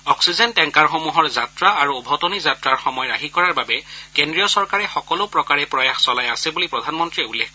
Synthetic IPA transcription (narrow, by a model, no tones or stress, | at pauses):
ɔksizɛntɛŋkaɹxomuɦɔɹzatɹaːɹuːbʱɔtɔnizatɹaɹxɔmɔjɹaɦikɔɹaɹbabɛkendɹijɔsɔɹkaɹɛxɔkɔlʊpɹɔkaɹɛpɹɔjaxsɔlajasɛbulipɹɔdʱanmɔntɹiɛulːek